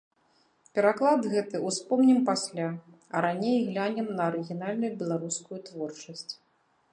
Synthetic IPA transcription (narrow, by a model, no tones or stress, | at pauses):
pʲɛɾaklˠad̪ɣɛt̪ɨuspɔmnʲimpasʲlʲaɐɾanʲejɣlʲanʲɛmnɐɐɾɨɣʲinalʲnujubʲɛlˠaɾuskujut̪vɔrt͡ʂɐsʲt͡sʲ